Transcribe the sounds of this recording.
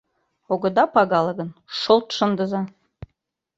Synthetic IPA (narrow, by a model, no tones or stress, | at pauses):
oɡɤ̆d̪ɑpɑɣɑlˠɤɡə̆nʃolˠt̪ʃɤ̆nd̪ɤzɑ